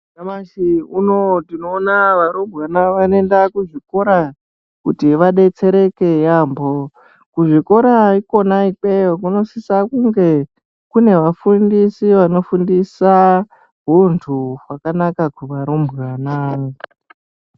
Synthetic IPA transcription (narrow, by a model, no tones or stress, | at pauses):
namaʃiunotino̞ːnaʋaɾombɣanaʋane̞ndakuʐiko̞ɾa | kutiʋaɗe̞t͡se̞ɾe̞ke̞jambo | kuʐiko̞ɾaiko̞naik͡peokuno̞sisakuŋɡe̞ | kune̞ʋafundisiʋano̞fundisa | ɦuntʰuɦwakanakakuʋaɾombɣwana